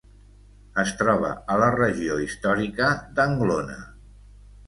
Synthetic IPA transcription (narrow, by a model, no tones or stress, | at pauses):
əst̪ɾɔβə̰ələrəʒioist̪ɔɾikəd̪əŋɡlonə̰